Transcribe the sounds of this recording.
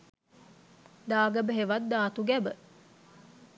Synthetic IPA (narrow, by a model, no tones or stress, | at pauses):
d̪aːɡɐbəɦeʋɐd̪d̪aːt̪uɡɛbə